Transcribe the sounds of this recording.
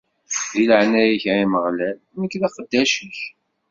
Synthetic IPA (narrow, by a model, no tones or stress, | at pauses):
ðiləʕnæjiçaiməʁlælməkːlæqəd̪ːæʃiç